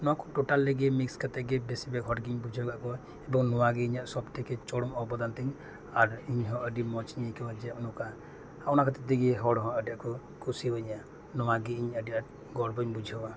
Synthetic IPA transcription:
nɔwakɔʈoʈalːeɡɛmikskat̪ɛɡebesibɛkɦʰɔʈɡiɲbud͡ʒʱiɔɡaʔkɔ | ɛbɔŋnɔwaɡiiɲaʔsɔbʈʰɛkɛt͡ʃɔɽɔmɔbɔd̪ant̪ɛŋ | aɾiɲɦɔ̃ʔəɖimɔt͡ʃɲakɛwad͡ʒaʔnuka | aɔnakat̪ɛt̪iɡiɦɔɽɦɔ̃əɖiakɔ | kʰusibəɲaʔ | nɔwaɡiiɲəɖia | ɡɔɽbɔɲbud͡ʒʱiɔɡa

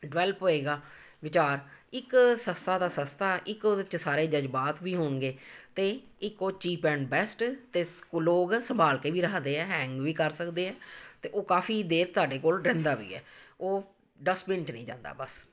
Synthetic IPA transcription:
ɖʋɛːlpɦoːeːɡaː | ʋɪt͡ʃaːɾɪksəst̪ʰaːd̪aːsəst̪aːʔɪkot͡ʃsaːɾeːd͡ʒəd͡ʒbaːt̪ʋiːɦoːɳɡeːt̪eːɪkoːt͡ʃiːpɛ̃ːɳɖbɛːsʈt̪eːkloːɡsəmbʱaːlkeːʋiːɾəkʰd̪eːɛːɦɛ̃ːŋɡʋiːkəɾsəkd̪eːɛːt̪eːʔoːkaːfʰiːd̪eːɾt̪aːɖeːkoːlɾɛ̃ːnd̪aːʋḭːɛ̰ːoː | ɖəspɪ̃ɳʈnəĩːd͡ʒã̰ːnd̪a̰ːbəs

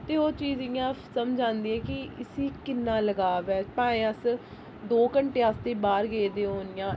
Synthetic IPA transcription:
t̪eːoːt͡ʃiːzɪjãːsəmd͡ʒãːnd̪iːɛːkɪɪsiːkɪnːãːləɡaːʋɛːpãːẽːəs | d̪oːkəɳʈeːaːst̪eːbaːɾɡeːd̪eːɦoːnɪjãː

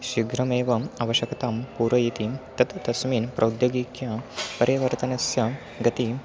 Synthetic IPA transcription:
ʃiɡɾɐmeːʋɐɐʋɐʃjɐkɐt̪aːmpuːɾɐjit̪it̪ɐt̪t̪ɐsmiːnpɾʔɐwd̪joɡiːkjaːpɐɾjɐʋɐɾt̪ɐnɐsjɐ | ɡɐt̪i

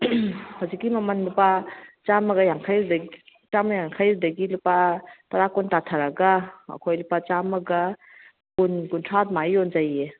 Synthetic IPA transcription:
hɔzikimamanlupat͡ʃamaɡajaŋkʰajɾidat͡ʃamajaŋkʰajɾidaɡilupataɾakɔntatʰaɾaɡaɐ̰kʰojlupat͡ʃamaɡa | kunɡuntʰat̚majɔnd͡ʒaje

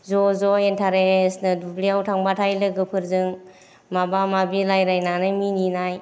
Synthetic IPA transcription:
zɔzɔentʰaɾesnɯdubliawtʰaŋbatʰajlɯɡɯpʰɯɾzɯŋ | mabamabilajɾajnanajmininaj

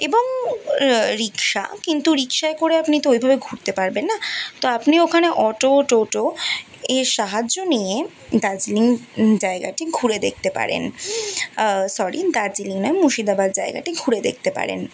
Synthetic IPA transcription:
eboŋ | ɾikʃa̰kint̪uɾikʃaekoɾeapnit̪oejbʱabeɡʱuɾt̪epaɾbenːat̪oapniokʰaneʔɔʈoʈoʈo | eɾʃaɦad͡ʑʑonije | d̪ad͡ʑiliŋd͡ʑaeɡa̰ʈiɡʱuɾed̪ek̚ʰt̪epa̰ɾḛn | sɔɾid̪ad͡ʑiliŋnɔemuʃid̪abad̪̚d͡ʑaeɡa̰ʈiɡʱuɾed̪ḛk̚ʰt̪epa̰ɾḛn

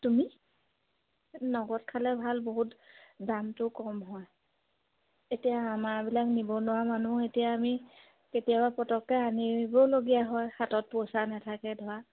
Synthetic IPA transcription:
tumi | nɔɡɔt̚kʰalɛbʱalboɦutdamtʊkɔmɦɔj | etijaːmabilaknibɔnʊwamanuetijaːmi | ketijabapɔtɔkːɛanibɔloɡijaɦɔjxatɔt̚pɔsanatʰakɛdʱɔwa

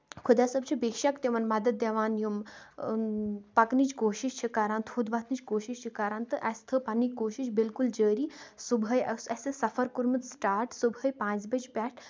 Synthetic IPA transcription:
kʰud̪jaːsɐbt͡ʃʰibiːkʃɐkt̪eʋɐnmɐd̪ɐd̪̚d̪ɐʋaːnjum | pɐknit͡ʃkoːʃiʃt͡ʃʰikaːɾaːnt̪ʰuːd̪bɐt̪ʰnit͡ʃkoːʃiʃt͡ʃʰikaːɾaːnt̪ɨʔɐst̪ʰəpɐnːikoːʃiʃbilkuld͡ʒəːɾiːsubʱɐjɐsɐsʲɐsɐfɐɾkuɾmɨt̪sʈaːɾʈsubʱəjpãːt͡sbɐd͡ʒpʲaːʈʰ

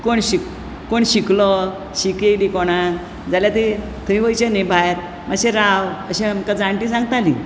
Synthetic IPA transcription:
koɳɕik | koɳɕiklɔ | ɕiked̪ekɔɽ̃a | d͡zaljat̪e | t̪ʰəĩʋəjt͡ɕenebʱajɾ | maɕẽɾawəɕẽamkad͡zaɳʈĩsãŋɡt̪ali

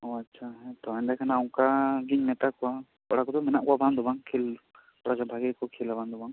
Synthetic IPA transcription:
ɔatːʃʰaɛt̪ɔand̪akʰanaɔŋkaɡiɲmɛt̪akɔwa | pɔɽakɔd̪ɔmɛnaʔkɔabʱand̪ɔbaŋkʰil | kɔɽakabʱaɡɛkɔkʰilabʱand̪ɔbaŋ

